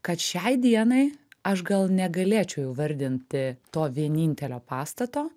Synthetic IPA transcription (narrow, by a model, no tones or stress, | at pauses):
kɐt̪ʃʲɛɪd̪ʲiɛnɐɪɐʃɡɐlˠnʲɛɡɐlʲeːt͡ʃʲɛʊjɛʊʋɐɾʲd̪ʲɪnʲt̪ʲɪt̪oːʋʲiɛnʲiːnʲt̪ʲɛlʲoːpɑːst̪ɐt̪oː